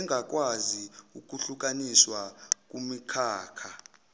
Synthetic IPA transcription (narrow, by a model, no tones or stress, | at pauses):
ŋʱak̬ʼwaziuk̬ʼuɬuk̬ʼaniswak̬ʼumikʰaːkʰa